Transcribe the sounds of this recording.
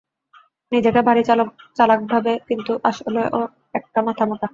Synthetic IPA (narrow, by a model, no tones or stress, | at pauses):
nid͡ʑekebʱaɾit͡ɕalok̚t͡ɕalak̚bʱabekint̪uʔaʃoleʔo | ɛk̚ʈamat̪ʰamot̪a